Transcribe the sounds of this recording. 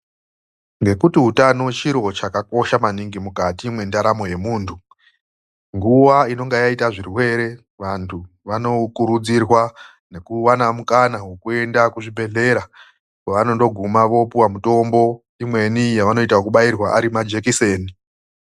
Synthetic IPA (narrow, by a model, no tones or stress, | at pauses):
ŋɡe̞kutiɦutano̞t͡ʃiɾo̞t͡ʃakako̞ʃamaniŋɡimukatimwe̞ndaɾamo̞je̞muːntʰu | ŋɡuwaino̞ŋɡajaitaʐirwe̞ɾe̞ | ʋantʰu | ʋano̞kuɾud͡zirwa | ne̞kuwanamukanawe̞kue̞ndakuʐibʱe̞ɮe̞ɾa | weʋano̞ndo̞ɡʱumaʋo̞puwamuto̞mbo̞ | imwe̞nijaʋano̞itaokuɓairwaʔaɾimad͡ʒe̞kise̞ːni